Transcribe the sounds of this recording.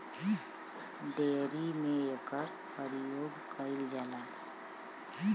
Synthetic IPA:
beːɾimẽekəɾ | pəɾjoːɡkəɪld͡ʒaːlaː

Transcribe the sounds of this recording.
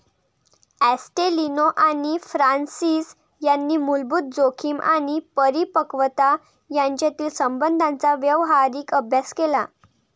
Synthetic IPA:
æsʈelinoʔaɽ̃ifɾansiːs | janːiːmulbuːt̪̚d͡zokʰiːmʔa̰ɽ̃ipəɾipəkʋət̪a | jãɲt͡ɕjat̪iːlsəmbənd̪ʱãnt͡saʋjəʋɦaɾiːkəbʱjaskela

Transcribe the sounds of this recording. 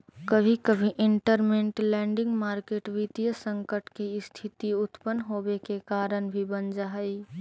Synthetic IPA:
kəbʱikəbʱiʔɪɳʈəɾmẽɳʈlɛ̃ːɳɖɪ̃ŋɡmaːɾkeːʈʋit̪ijəsə̃ŋkəʈkiɪst̪ʰit̪iʊt̪pənɦobekekaːɾənbʱibənd͡ʒaɦəi

